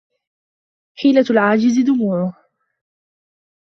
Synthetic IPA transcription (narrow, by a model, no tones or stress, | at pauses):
ħiːlalʕaːd͡ʒɪzɪd̪ʊmuːʕʊh